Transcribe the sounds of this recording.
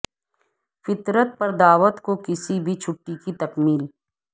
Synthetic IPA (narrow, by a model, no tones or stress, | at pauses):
fɪt̪ɾət̪̚pɐɾd̪aːʋət̪kokɪsibʱit͡ʃʰʊʈːikit̪ɐkmiːl